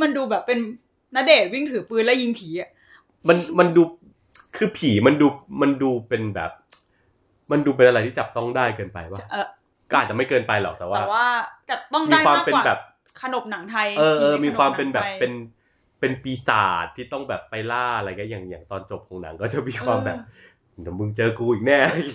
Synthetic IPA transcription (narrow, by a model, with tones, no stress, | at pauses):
ma˧nduː˧bɛː˨˩pːe˧n | na˦˥deː˨˩t̪̚wi˥˩ŋt̪ʰɯː˩˦pɯː˧nlɛ˦˥ji˧ŋpʰiː˩˦ʔa˨˩ | ma˧nma˧nduː˧ | kʰɯː˧pʰiː˩˦ma˧nduː˧ma˧nduː˧pe˧nbɛ̰ː˨˩p̚ | ma˧nduː˧pe˧nʔa˧ɾa˧jt̪ʰiː˥˩t͡ɕa˨˩p̚t̪ɔ˥˩ŋdaː˥˩jkɤː˧npa̰˧jba˥˩˧ | kɔː˥˩a˨˩t̪̚t͡ɕa˨˩ma˥˩jkɤː˧npa˧jlɔ̰˨˩k̚t̪ɛː˨˩waː˥˩waː˥˩t͡ɕa˨˩t̪ɔ˥˩ŋmiː˧˥kwaː˧mpe˧˨bɛː˨˩p̚ | kʰa˧no˨˩p̚na˩˦ŋt̪ʰa˧jʔɤː˧ʔɤː˧miː˧kwaː˧mpe˧nbɛː˨˩pːe˧n | pe˧npiː˨˧sa̰ː˨˩t̪ʰːiː˥˩t̪ɔ˥˩ŋbɛː˨˩pːa˧jlaː˥˩a˧ɾa˧jŋi˦˥jaː˨˩ŋjaː˨˩ŋt̪ɔː˧nt͡ɕo˨˩p̚kʰɔː˩˦ŋna̰˩˦ŋkɔː˥˩t͡ɕa˨˩miː˧kwaː˧mbɛː˨˩p̚ | na˨˦mɯ˧ŋt͡ɕɤː˧kuː˧iː˨˩k̚nɛː˥˩